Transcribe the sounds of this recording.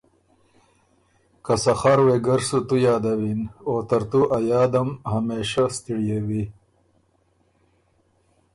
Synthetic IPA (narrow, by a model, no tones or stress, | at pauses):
kasɐxaːɾweɡɐɾsut̪ujɑːd̪ɐwinoːt̪ɐɾt̪uʔajɑːd̪ɐmhameːʃast̪iɽjewi